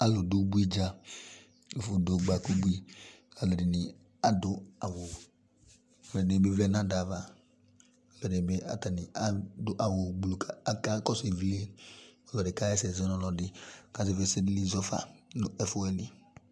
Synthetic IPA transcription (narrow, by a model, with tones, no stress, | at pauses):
a˦lo˨du˦bu˦i˦d͡ʒa˦ | o˨fo˨do˨ɡ͡ba˨ku˦bu˦i˦˨ | a˨lɛ˨dɪ˨nɪ˨ | a˦dʊ˦a˨wo˨ | ɔ˨lɛ˨dni˨be˦vlɛ˦nã˦da˨va˨ | ɔ˨lɔ˨dɪ˨be˦a̰˨ta˨nɪ˨a˦dʊ˦ʔa˨wo˨ɡ͡blu˨ka˨˦ka˦kɔ˦se˨vi˦le˦ɔ˨lɔ˨dɪ˨ka˦ɛ˦sɛ˨znɔ̃˦lɔ˨dɪ˨ka˨˦ze˨ve˦˨˦sɛ˦di˦li˦zɔ˦fa̰˨nʊ˨ʔɛ˦fo˦ɛ˦li˨